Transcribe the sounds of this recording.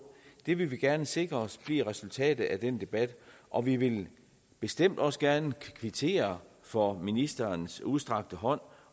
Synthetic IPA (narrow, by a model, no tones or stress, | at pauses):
d̥e̝ʋe̝lʋiɡ̥æɐnəse̝ɡ̥ʁɐɒ̽sb̥liɐ̰ʁɛsult͡sʰɛ̰ːd̥ð̩ˠʔæd̥end̥e̝b̥æd̥ʔɒ̽ʋiʋe̝l | b̥e̝sd̥em̰d̥ɒ̽səɡ̥æɐnəkʰʋit͡sʰe̝̰ːɐ | fɒ̽minisd̥ɐnsuðˠsd̥ʁɑ̈ɡ̥̚d̥əɦɒ̽n̰